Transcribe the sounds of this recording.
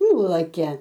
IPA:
ˈnʊlˠɐkʲɛ

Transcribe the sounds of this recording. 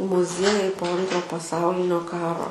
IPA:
mʊˈzʲiɛjɛɪ poː ˈɐntroː pɐˈsɐʊlʲɪnʲoː ˈkɑːroː

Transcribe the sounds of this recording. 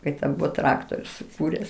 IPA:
ˈkɐɪ tʲɛn ˈbʊʋoː ˈtrɑːktoːrʲʊ sʊˈkuːrʲɛs

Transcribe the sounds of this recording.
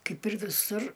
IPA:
ˈkɐɪp ɪr ʋʲɪˈsʊr

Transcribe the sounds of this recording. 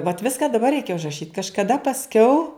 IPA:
ʋɐt ˈʋʲɪskɐ dɐˈbɐr ˈrʲɛɪkʲɛ ʊʒrɐˈʃʲiːt kɐʃkɐˈdɐ pɐsʲˈkʲɛʊ

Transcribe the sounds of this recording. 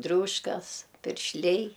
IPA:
ˈdʲrʲuːʃkɐs pʲɪrʲʃʲˈlʲɛɪ

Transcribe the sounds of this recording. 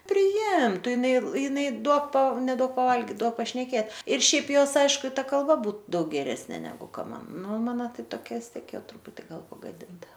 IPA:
pʲrʲɪˈɪmtʊ jɪˈnɐɪ jɪˈnɐɪ ˈduɔk pɐ nʲɛˈduɔk pɐˈʋɐlʲɡʲɪt ˈduɔk pɐʃʲnʲɛˈkʲeːt ɪr ˈʃʲɛɪp ˈjoːs ˈɐɪʃkʊ ɪ ˈtɐ kɐlˠˈbɐ ˈbuːt ˈdɐʊk ɡʲɛˈrʲæːsʲnʲeː nʲɛˈɡʊ ˈkɐ ˈmɐn ˈnʊ ˈmɑːnoː ˈtɐɪ toːˈkʲɛ ʋʲɪs ˈtʲiɛk ˈjɛʊ ˈtrʊpʊtʲɪ ˈɡɐlˠ pɐɡɐˈdʲɪntɐ

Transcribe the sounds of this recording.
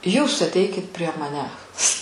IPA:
ˈjuːs ɐtʲˈɛɪkʲɪt pʲrʲiɛ mɐˈnʲæːs

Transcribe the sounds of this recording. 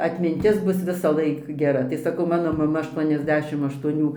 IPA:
ɐtʲmʲɪnʲˈtʲɪs ˈbʊs ʋʲɪsɐˈlˠɐɪk ɡʲɛˈrɐ tɐɪ sɐˈkɐʊ ˈmɑːnoː mɐˈmɐ ɐʃˌtuɔnʲɛzʲˈdʲæːʃʲɪm ɐʃtuɔˈnʲuː

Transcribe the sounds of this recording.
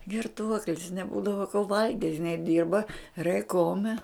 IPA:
ɡʲɪrˈtuɔklʲɪs nʲɛˈbuːdɐʋoː koː ˈʋɐlʲɡʲɪtʲ ɪˈnɐɪ ˈdʲɪrbɐ rʲɛɪˈkoːmʲɛ

